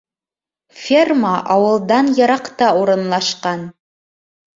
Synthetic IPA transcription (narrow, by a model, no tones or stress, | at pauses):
fʲerməʔɑwɤ̆lˠd̪ɑnjɤ̆ɾɑqt̪ɑuɾɤ̆nlˠɑʃqɑn